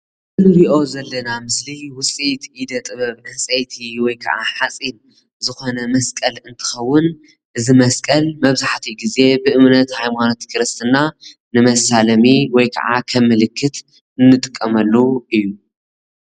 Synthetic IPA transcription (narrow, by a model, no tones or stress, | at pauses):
ɨnɨɾiʔo̞zɐlːɐnamɨsliwʊsʼit̪ʔid̪ɐt̪ʼɨβɐβnɐsʼɐjt̪ʰiwɔjkʰɐ̰ʕa̰ħat͡sʼin | zɨxo̞nɐmɐskʼɐlɨnt̪ʰɨ̥xɐwːʊn | ʔɨzimɐskʼɐlmɐβzaħt̪ʰiɡize̞bɨʔɨmnɐt̪hajmanot̪kʰɨɾɨst̪ʰɨna | nɨmɐsalɐmiwɔjkʰɐ̰ʕa̰kʰɐmːɨlɨkʰːɨt̪ | ɨnːɨt̪ʼɨkʼːɐmɐlːuʔɨjːu